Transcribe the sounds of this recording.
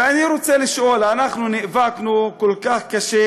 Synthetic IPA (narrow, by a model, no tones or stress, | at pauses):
eaniɾot͡seliʃʔo̞lanaχnuniʔvaknukolkaχkaʃe